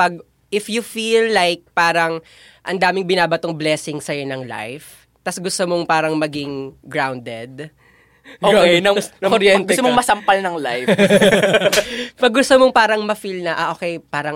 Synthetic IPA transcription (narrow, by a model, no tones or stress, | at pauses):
pɐɡ̚ | ʔɪfjʊfilːajk̚paːɾɐŋ | ʔɐnd̪aːmɪŋbɪnaːbɐt̪oŋblɛːsɪŋsɐjonɐŋla̰jf | t̪ɐsɡʊst̪omoŋpaːɾɐŋmɐɡɪŋɡɹawnd̪ɛd̪̚ | oːknɐɐɾjɛɡʊɛt̪omoŋmɐsɐmpɐlnɐŋlajf | pɐɡːʊst̪omoŋpaːɾɐŋmɐfilnɐʔɐʔoːkɛjpaːɾɐŋ